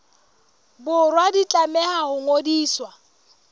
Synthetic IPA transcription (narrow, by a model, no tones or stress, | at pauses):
bʊrwadit͡ɬʼamɛhahʊŋodiːswa